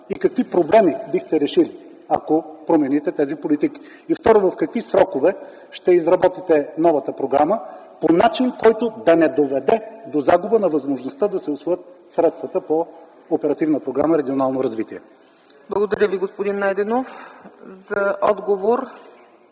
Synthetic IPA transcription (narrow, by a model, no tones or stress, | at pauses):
ikɐkvipɾoblɛmibixt̪ɛɾɛʃili | ɐ̰kopɾomɛnit̪ɛt̪ɛzipolit̪iki̥ː | ft̪ɔɾovɐfkɐkvisɾɔkovɛ | ʃt̪ɛizɾɐbɔt̪it̪ɛnɔvət̪əpɾoɡɾaməponat͡ʃinkɔjt̪od̪ɐnɛd̪ovɛd̪ɛd̪ozaɡʊbənɐvɐzmoʒnost̪əd̪ɐsɛʊsvojət̪̚sɾɛt̪st̪vət̪əpoː | pɛɾɐt̪ivnəpɾoɡɾa̰məɾɛɡʲionalˠnoɾɐzvit̪iɛ | blˠəɡod̪ɐɾʲəviɡospod̪inːajd̪ɛnofzɐʔɔ̰d̪ɡovoɾ